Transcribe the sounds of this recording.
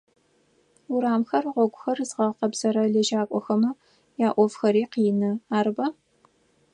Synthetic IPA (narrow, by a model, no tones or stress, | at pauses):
ʊɾaːmxɐrʁʷɔɡʷʊxɐrzʁɐqɐbz̥ɐɾɐɮɐʒaːkʷʼɔxɐmɨ | jaːʔʷɔvxɐɾiːqiːnɨaːɾɨbɐ